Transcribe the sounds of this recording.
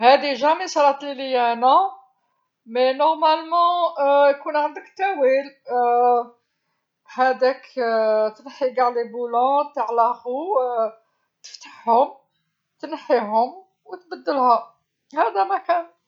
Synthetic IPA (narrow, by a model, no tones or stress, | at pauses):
hæd̪iʒæmisɑɾˤɑt̪lilijænæ | menɔʁmælmɑ̃jkunʕənd̪əkt̪æwil | hæd̪ækt̪ənħiɡaʕlibulɑ̃t̪əʕlæqu | t̪ə̥ft̪ḁħhʊm | t̪ənħiɦʊm | wət̪bəd̪ːəlhæ | hæd̪æmækæn